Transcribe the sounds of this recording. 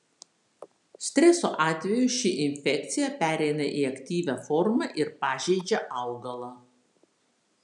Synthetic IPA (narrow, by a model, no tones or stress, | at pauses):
sʲt̪ʲɾʲɛsoːʔɑːt̪ʲʋʲɛjʊʃʲɪʔɪnʲfʲɛk̚ʲt̪sʲɪjɛpʲæːɾʲɛɪnɐʔiɐkt̪ʲiːʋʲæfɔɾmɐʔɪɾpɑːʒʲɛɪd͡ʒʲɛʔɐʊɡɐlˠɑː